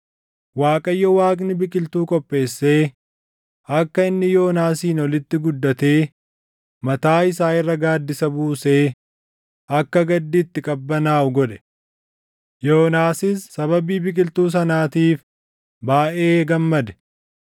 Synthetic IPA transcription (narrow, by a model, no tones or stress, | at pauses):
waːkʼɐjːɔwaːkʼnɪbɪkʼɪlt̪uːkʼɔpʼːe̞ːsːe̞ː | ɐkːɐɪnːɪjo̞ːnaːsiːnɔlɪt̪ːɪɡʊd̪ːɐt̪e̞ː | mɐt̪aːɪsaːɪrːɐɡaːd̪ːɪsɐbuːse̞ː | ɐkːɐɡɐd̪ːɪt̪ːɪkʼɐbːɐnaːɡɔᶑɛ̥ | jo̞ːnaːsɪsːɐbɐbiːbɪkʼɪlt̪uːs̬ɐnaːt̪iːf | baːʔeːɡɐmːɐd̪ɛ̥